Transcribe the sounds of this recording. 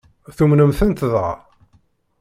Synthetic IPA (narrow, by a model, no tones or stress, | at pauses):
θumnəmθənt̪ðʁ̰